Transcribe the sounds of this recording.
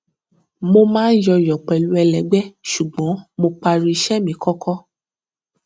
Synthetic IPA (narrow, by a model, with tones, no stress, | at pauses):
mo˧mãː˦jɔ˧jɔ˨k͡pɛ˨lu˧ɛ˧lɛ˨˦ɡ͡bɛ˦ʃu˨ɡ͡bɔ̃˨˦mo˧k͡pa˧ɾi˧i˧ʃɛ˦mĩ˨˦kɔ˦kʰɔ˦